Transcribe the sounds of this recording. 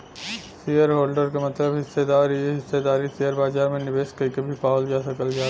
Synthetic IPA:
sijəɾɦoːlɖəɾkamɐt̪ləbɦɪsːed̪aːɾieɦɪsːed̪aːɾisijəɾbaːzaːɾmẽnɪbeːskəkebʱipaːwəld͡ʒaːsɐkəld͡ʒaː

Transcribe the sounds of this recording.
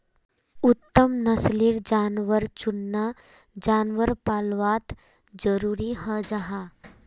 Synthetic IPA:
ʊt̪ːəmnɐsliɾd͡ʒaːnʋəɾt͡ʃʊnːa | d͡ʒaːnʋəɾpaːlʋaːt̪ | d͡ʒəɾuːɾiɦəd͡ʒaɦaː

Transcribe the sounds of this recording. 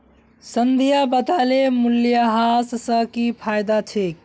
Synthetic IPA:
sənd̪ʱijabət̪alemuljaɦassəkipʰajd̪at͡ʃʰek

